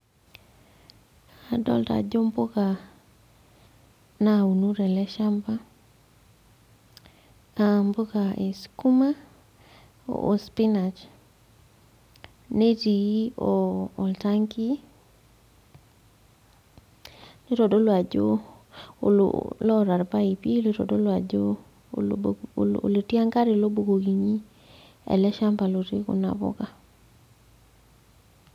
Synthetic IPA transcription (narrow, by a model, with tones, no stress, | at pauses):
a˨dɔ̰˦lta̰˨d͡ʒo˦mbo˦ka˨ | na˦u˨nu˦ɾɛ˨lɛ˦ʃa˦mba˦ | ambo˦ɡa˨e˨sku˦ma˦ | o̰˨ʔo˨spi˦na˨t͡ʃ | ne˦ti˨˦oː˨lta˦ŋki˦ | ne˦ɾɔ˨do˦lwa˨d͡ʒo̰˦ | l̰lɔ˦˨ɾa˨ɾba˦i˨pi˦le˦ɾɔ̰˨do˦lwa˨d͡ʒo˦ | o̰˨le˨ti˦a˦ŋka˦ɾe˨lo˦bo˨ɡo˨ɡi˨ɲi˦ | ɛ̰˨lɛ˦ʃa˦mpa˨lo˨ɾi˦kṵ˨na̰˨bɔ̰˦ɡa˦